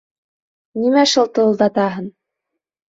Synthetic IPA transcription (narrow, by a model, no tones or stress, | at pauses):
nimæʃulˠt̪ɤ̆lˠd̪ɑt̪ɑɦɤn